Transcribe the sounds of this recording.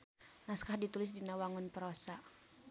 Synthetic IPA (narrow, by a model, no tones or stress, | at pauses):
naskahdit̪ulɪs̬dinawaŋʊnpəɾɔsa